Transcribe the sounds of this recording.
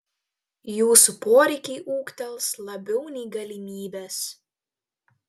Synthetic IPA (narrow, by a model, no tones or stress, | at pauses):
juːsupoːɾʲɛɪkʲɛɪʔuːkt̪ʲɛlˠslˠɐbʲɛʊnʲɛɪɡɐlʲɪmʲiːbʲæːs